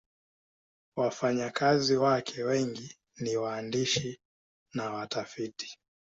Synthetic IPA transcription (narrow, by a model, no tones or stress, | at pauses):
wafaɲakaziwakʰɛwɛŋɡi | niwaːndiʃi | nawatafiti̥